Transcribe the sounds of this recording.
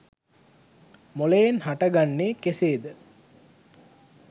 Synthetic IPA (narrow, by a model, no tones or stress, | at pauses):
molejenhaʈəɡanːeːkeseːd̪ə